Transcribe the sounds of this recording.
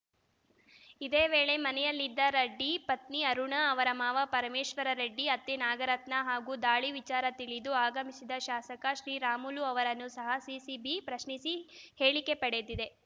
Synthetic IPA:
id̪e̞ːʋe̞ːɭe̞mɐnɛjɐlːid̪ːɐɾɐɖːipɐt̪niɐɾuɳɐɐʋɐɾɐmaːʋɐpɐɾɐmeːʃʋɐɾɐɾɐɖːiɐt̪ːenaːɡɐɾɐt̪nɐɦaːɡuːd̪aːɭiʋit͡ʃaːɾɐt̪iɭid̪uaːɡɐmisid̪ɐʃaːsɐkɐʃɾiːɾaːmuluɐʋɐɾɐnːusɐɦɐsisibipɾɐʃnisihe̞ːɭike̞pɐɽed̪id̪e̞

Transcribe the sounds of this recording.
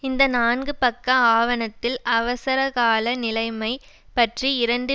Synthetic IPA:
ɪnd̪ɐnaːnɡɯpɐkːɐaːʋɐnɐt̪ːɪlʔɐʋɐsɐɾɐɣaːlɐnɪlɐɪmɐɪ | pɐʈriɪɾɐɳɖɯ

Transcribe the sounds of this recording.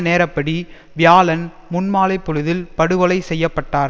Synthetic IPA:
neːɾɐpːɐɽi | ʋɪjaːlɐn | mʊnmaːlɐɪpːɔɻɯðɪlpɐɽɯʋɐɭɐɪsɛjːɐpːɐʈːaːɾ

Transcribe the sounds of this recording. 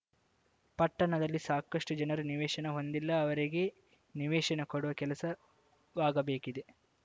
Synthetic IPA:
pɐʈːɐɳɐd̪ɐlːisaːkɐʂʈud͡ʒɐnɐɾuniʋɛːʃɐnɐɦo̞nd̪ilːɐːʋɐɾiɡe̞ | niʋɛːʃɐnɐkoɽuʋɐkɛlɐsɐ | ʋaːɡɐbeːkid̪e̞

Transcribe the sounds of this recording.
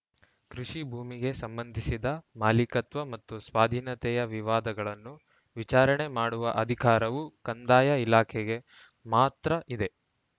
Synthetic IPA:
kɾuʂibʱuːmiɡe̞sɐmbɐnd̪ʱisid̪ɐmaːlikɐt̪ʋɐmɐt̪ːusʋaːd̪ʱiːnɐt̪ɛjɐʋiʋaːd̪ɐɡɐɭɐnːu | ʋit͡ʃaːɾɐɳe̞maːɽuʋɐʔɐd̪ʱikaːɾɐʋukɐnd̪aːjɐilaːkʰɛɡe̞ | maːt̪ɾɐʔid̪e̞

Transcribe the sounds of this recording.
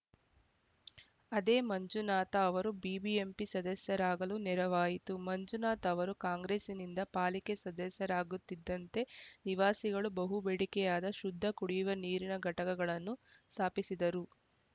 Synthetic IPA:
ɐd̪eːmɐɲd͡ʒunaːt̪ɐːʋɐɾubiːbiempisɐd̪ɐsjɐɾaːɡɐlunɛɾɐʋaːjit̪umɐɲd͡ʒunaːt̪ɐːʋɐɾukaːŋɡɾeːsinind̪ɐpaːlikesɐd̪ɐsjɐɾaːɡut̪ːid̪ːɐnt̪e̞niʋaːsiɡɐɭubɐɦubeɽikɛjaːd̪ɐʃud̪ʱːɐkuɽijuʋɐniːɾinɐɡʱɐʈɐkɐɡɐɭɐnːust̪ʰaːpisid̪ɐɾu

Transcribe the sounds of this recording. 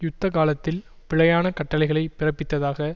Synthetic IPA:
jʊt̪ːɐkaːlɐt̪ːɪlpɪɭɐjaːnɐkɐʈːɐɭɪɣɐɭɐɪpɪrɐpːɪt̪ːɐðaːɣɐ

